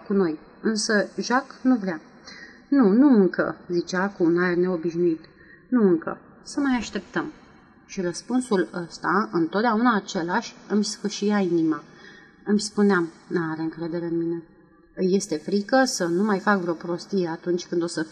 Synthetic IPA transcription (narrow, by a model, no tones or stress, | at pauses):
kuno̞j | ɨnsəʒaknuvɾea | nunuɨŋkə̰zit͡ʃeakuːnaerne̞o̞biʃnuit̪ | nuɨŋkə̰ | səmajaʃt̪e̞p̚t̪əm | ʃiɾəspunsuləst̪aɨnt̪o̞t̪d̪aunaːt͡ʃe̞laʃʲɨmʲskəʃijainima | ɨmʲspuneamnuaɾe̞ɨŋkɾe̞d̪e̞ɾe̞ɨnmine̞ | ɨjːe̞st̪e̞fɾikəsənumajfak̚vɾeo̞pɾo̞st̪ije̞at̪unt͡ʃʲkɨnd̪o̞sə